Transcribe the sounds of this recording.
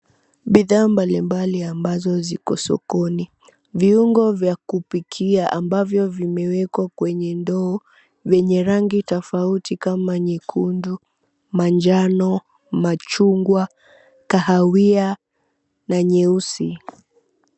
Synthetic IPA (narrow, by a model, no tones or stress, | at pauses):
ɓiðaːmbalimbaliambazɔzikɔ̰sɔ̰kɔni | viuŋɡɔvjakupikʰiaʔambavjɔvimɛwɛkwakwɛɲɛndɔː | vjɛɲɛɾaŋɡitɔfautikamaɲikʰundu | mand͡ʒanɔ | mat͡ʃuŋɡwa | kahawia | naɲɛusi